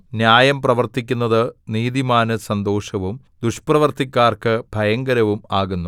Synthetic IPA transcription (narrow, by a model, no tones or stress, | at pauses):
njaːjɐmprɐʋɐrt̪ikʲːunːɐðɨniːðimaːnɨsɐnd̪o̞ːʂɐʋum | d̪uʂprɐʋɐrt̪ikʲːaːrkɨb̥ʱɐjɐŋɡɐɾɐʋumaːɣunːu